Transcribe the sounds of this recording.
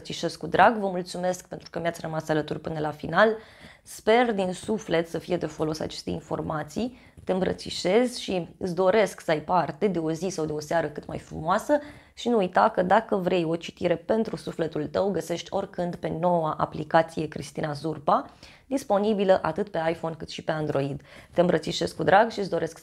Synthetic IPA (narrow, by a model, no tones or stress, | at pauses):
t̪siʃe̞skːud̪ɾʔaɡvəmult̪sume̞skpent̪ɾukəmjat̪sʲrəmasalət̪urʲpɨnəlafinal | spe̞rd̪insufle̞t̪səfije̞d̪e̞fo̞lo̞sa̰t͡ʃe̞st̪e̞̰info̞̰rmat̪sij | t̪eɨmbɾə̰t̪sḭʃe̞zʲʃiɨ̰s̬d̪o̞ɾe̞sksəajpart̪e̞d̪e̞o̞zisawd̪e̞o̞seaɾəkɨt̪ma̰jfɾṵmoasə | ʃinuujt̪akəd̪akəvɾe̞jo̞t͡ʃi̥t̪iɾe̞pe̞nt̪ɾusufle̞t̪ult̪əwɡəse̞ʃt̪ʲo̞rʲkɨnd̪pe̞no̞waʔa̰plikat̪sije̞kɾḭst̪inazurpa | d̪̥ispo̞nibiləʔat̪ɨt̪pe̞ajfo̞nkɨt̪ʃipe̞and̪ɾo̞id̪t̪e̞ɨmbɾət̪siʃe̞skud̪ɾaɡʃis̬d̪o̞ɾʔe̞sk